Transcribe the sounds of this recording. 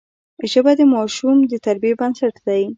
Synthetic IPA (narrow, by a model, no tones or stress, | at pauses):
ʒəbad̪əmɑʃumd̪ət̪aɾbijebansaʈd̪aj